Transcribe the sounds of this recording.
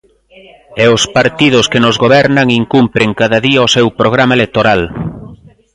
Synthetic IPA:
ɛʊspaɾt̪ið̞ʊskenozɣoβɛɾnaŋiŋkumpɾeŋkaðaðiaosewpɾoɣ̞ɾamaelek̚t̪oɾal

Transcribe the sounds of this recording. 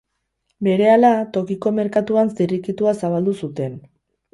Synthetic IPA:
be̞ɾe̞alat̪o̞kiko̞me̞ɾkat̪uansd̪irikit̪uasaβ̞ald̪usut̪e̞n

